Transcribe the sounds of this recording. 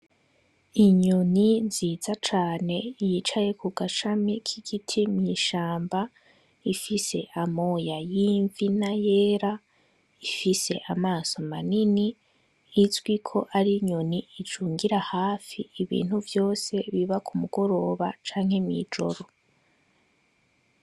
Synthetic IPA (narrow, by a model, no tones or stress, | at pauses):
iɲoniziːzat͡ʃaːne̞jit͡ʃaje̞kʰuɡaʃamikʰiɡ̥itʰimɲiʃaːmba | ifise̞̰ʔamo̞jajiːɱvinaje̞ːɾa | ifise̞̰ʔamaːso̞maniniː | zɡwikʰo̞ʔaɾiɲoniid͡ʒuːŋɡiɾahaːfiːβḭːn̥huvjo̞ːse̞βiβakumuɡ̥o̞ɾo̞ːβat͡ʃaːŋ̥he̞mḭd͡ʒo̞̰ɾo̞